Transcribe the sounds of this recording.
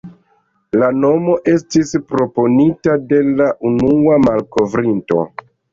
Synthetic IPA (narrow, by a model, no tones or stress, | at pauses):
lano̞mo̞ʔe̞stispɾo̞po̞nitade̞laʔunuamalko̞vɾinto̞̰